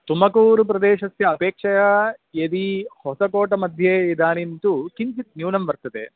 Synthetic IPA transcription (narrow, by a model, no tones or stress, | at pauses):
t̪umɐkuːɾup̬ɾɐd̪eːʃɐsjɐːpeːkʂɐjɐjed̪ihɔsɐkoːʈɐmɐd̪ʱjeid̪aːnint̪ukiɲt͡ʃit̪̚njuːnɐmʋɐɾt̪ɐt̪ḛ